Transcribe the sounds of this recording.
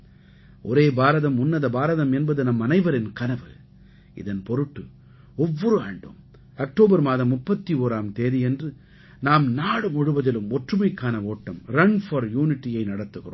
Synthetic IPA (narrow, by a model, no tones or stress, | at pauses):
ʔɔɾeːbaːɾɐðɐmʊnːɐðɐbaːɾɐðɐmɛnbɐðɯnɐmːɐnɐɪʋɐɾɪnkɐnɐʋɯ | ɪ̰ðɐnpɔɾɯʈːɯ | ɔʋːɔɾɯa̰ːɳɖo̰ːm | ɐk̚ʈoːbɐɾmaːðɐmːʊpːɐt̪ːioːɾaːmt̪eːðijɛndrɯ | naːmnaːɽɯmɔɻɯbɐðɪlɯmɔʈrɯmɐɪkːaːnɐoːʈːɐmɾɐnfɐɾjuːnɪʈːijɐɪnɐɽɐt̪ːɯɣɪro̰ː